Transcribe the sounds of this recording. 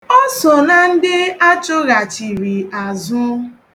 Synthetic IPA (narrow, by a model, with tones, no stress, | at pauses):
ɔ˦sɔ˨na˨n̩˦dɪ˦a˦t͡ʃʊ˦ɣa˨t͡ʃi˨ɾi˨a˨zʊ˦